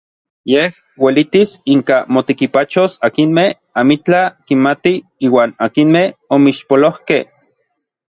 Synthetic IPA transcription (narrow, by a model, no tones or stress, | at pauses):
jeh | welit̪isiŋkamot̪ekipat͡ʃosakinmeh | amit͡ɬakinmat̪iiːwaːnakinmehomiʃpolohkeh